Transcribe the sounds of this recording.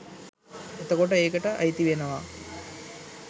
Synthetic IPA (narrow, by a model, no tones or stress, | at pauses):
et̪ɐkoʈəeːkəʈəʔɐ̰jt̪iʋenɐʋa